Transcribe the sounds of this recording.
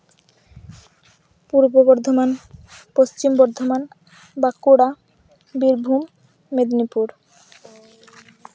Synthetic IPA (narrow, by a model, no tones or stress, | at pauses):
puɾbobɔɾd̪ʱomanpost͡ɕimbɔɾd̪ʱoman | bakuɽa | biɾbʱumː | ed̪nipuɾ